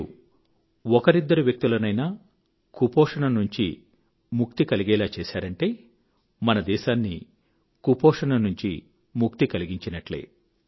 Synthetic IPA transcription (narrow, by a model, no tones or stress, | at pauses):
ɔkɐɾid̪ːɐɾuʋjɐk̚t̪ulɐnɐjnaː | kupɔːʂɐnɐnuɲt͡ʃi | muk̚t̪ikɐliɡɛːlaːt͡ʃɛːʃaːɾɐɳʈe̞ː | mɐnɐd̪ɛːʃaːnːḭ | kupɔːʂɐnɐnuɲt͡ʃi | muk̚t̪ikɐliɡiɲt͡ʃinɐʈlḛː